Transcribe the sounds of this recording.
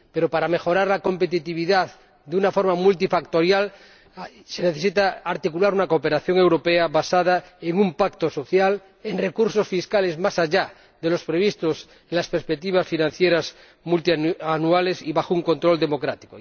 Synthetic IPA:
pe̞ɾo̞paɾame̞xo̞ɾaɾlako̞mpe̞t̪it̪iβ̞iðað | d̪unafo̞ɾmamult̪ifakt̪o̞ɾjal | se̞ne̞θe̞s̬it̪aaɾt̪ikulaɾunakope̞ɾaθjo̞ŋe̞wɾo̞peaβasað̞aeŋumpakt̪oso̞θjal | enre̞kuɾso̞sfiskale̞zmasaʝa | ðe̞lo̞spɾeβ̞ist̪os | elaspeɾspek̚t̪iβasfinãn̟θjeɾaz | mult̪ianuale̞siβaxouŋko̞nt̪ɾo̞ld̪e̞mo̞kɾat̪i̥ko̰

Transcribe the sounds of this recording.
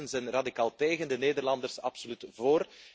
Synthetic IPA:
ənzɛjnradikaːlˠteːɣəndəneːdərlɑndərsɑpsolytvoːr

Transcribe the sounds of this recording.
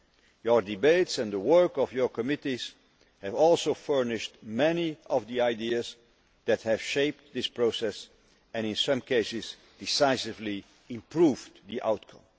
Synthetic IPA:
jə˞dɨbeɪtsɛ̃nðəwɜ˞kɔvjə˞kəmɪtiz̥ | hɨvɔlˠsoʊfɜ˞nɪʃtmɛniʔɔvðiaɪdiəz | ðæt̚hɨv̥ʃeɪp̚ðɪspɹoʊsɛs | ɛ̃ñɪ̃nsʌ̃mkʰeɪsɪz | d̥ɪsaɪsɪvli | ɪ̃mpɹuvðiʔa̰ʊtkʰʌ̃m

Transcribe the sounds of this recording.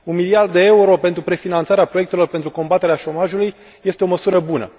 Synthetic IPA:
unmiliard̪ːee̞uɾo̞pe̞nt̪ɾupɾe̞finant̪saɾeapɾoe̞k̚t̪elo̞rpent̪ɾuko̞mbat̪eɾeaʃo̞maʒuluj | je̞st̪eo̞məsuɾəbunə̰

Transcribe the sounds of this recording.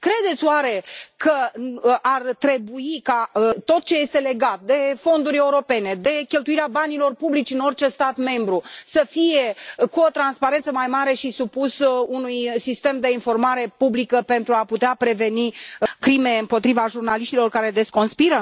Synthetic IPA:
kɾe̞d̪et̪sʲowaɾe̞kʰəʔart̪ɾe̞buikat̪o̞t̪̚t͡ʃeje̞st̪e̞le̞ɡat̪̚d̪e̞fo̞nd̪uɾʲe̞uɾo̞pe̞ne̞d̪e̞kʲe̞lt̪uiɾeabanilo̞rpublit͡ʃʲɨno̞rt͡ʃe̞st̪at̪me̞mbɾusəfije̞kuo̞t̪ɾanspaɾent̪səmajmaɾe̞ʃisupusunujsist̪e̞md̪e̞info̞rmaɾe̞publikəpe̞nt̪ɾuaput̪eapɾe̞ve̞nikɾime̞ɨmpo̞t̪ɾivaʒurnaliʃt̪ilo̞rkaɾe̞d̪e̞sko̞nspiɾə

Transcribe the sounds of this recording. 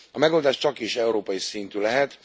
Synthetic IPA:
ɒmɛɡo̞ld̪aːʃt͡ʃɒkiʃɛuɾoːpɒjisint̪yːlɛɦɛt̪

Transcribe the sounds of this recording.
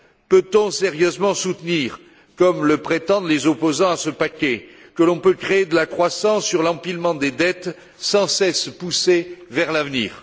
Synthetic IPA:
pøt̪ɔ̃seʁjøzmɑ̃sut̪niːʁ | kɔmləpχet̪ɑ̃d̪lezɔpozɑ̃asəpakʲɛkəlɔ̃pøkχeːd̪əlakχwasɑ̃sːyʁlɑ̃pilmɑ̃d̪ed̪ɛt̪ | sɑ̃sɛspusevɛʁlavnḭːʁ

